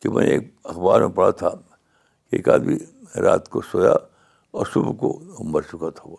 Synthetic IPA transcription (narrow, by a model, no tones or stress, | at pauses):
kimɛ̰̃neeːkɐxbaːɾmepɐɽ̤at̪ʰa | keːkaːbʱiɾaːt̪kosoːja | ɔːɾsʊbkombəɾt͡ʃʊkat̪ʰaʋoː